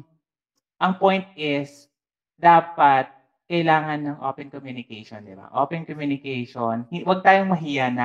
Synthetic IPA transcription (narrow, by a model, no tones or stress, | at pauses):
ʔɐŋpojnt̪̚ʔɪs | d̪aːpɐt̪̚ | kɐʔɪlaːŋɐnːɐŋʔo̰ːpɛnkomjuːnɪkɛjʃond̪ɪba̰ʔo̰ːpɛnkomjuːnɪkɛjʃonhwɐɡ̚t̪aːjoŋmɐɦiːjana